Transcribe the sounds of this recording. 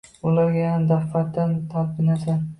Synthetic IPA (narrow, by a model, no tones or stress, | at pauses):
ʊlaɾɡʲajanad̪affat̪ːant̪ʰalpʰɪnasan